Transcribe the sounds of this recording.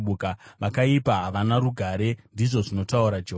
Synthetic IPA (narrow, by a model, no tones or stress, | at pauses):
ukaʋakaipaɦaʋanaruɡʱaɾe̞ndiʐo̞ʐino̞tauɾad͡ʒeɦ